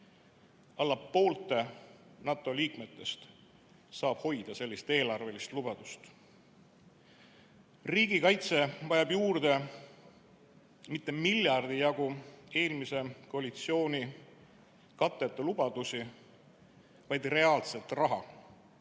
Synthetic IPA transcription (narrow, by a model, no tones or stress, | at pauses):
ɑlːɑpːo̞ːlt̪ːˑe̞nɑt̪ːˑo̞liːkme̞t̪ːe̞st̪ | sɑːb̥ho̞jd̪̥ɑse̞lːist̪e̞ːlɑrve̞list̪lubɑd̪̥ust̪ | riːɡ̥ikɑjt̪se̞vɑjɑbjuːrd̪e̞ | mit̪ːe̞milʲjɑrd̪̥ijɑɡ̥ue̞ːlmise̞koɑlʲit̪sio̞ːnʲi | kɑt̪ːˑet̪ːˑelub̥ɑd̪̥usi | vɑjd̪̥re̞ɑːlse̞lt̪rɑɦɑ